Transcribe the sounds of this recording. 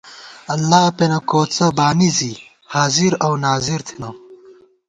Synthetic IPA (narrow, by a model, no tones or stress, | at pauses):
ɐlːaːpenɐkoːt͡sɐbaːnizi | haːziɾɐwnaːziɾt̪ʰenɐ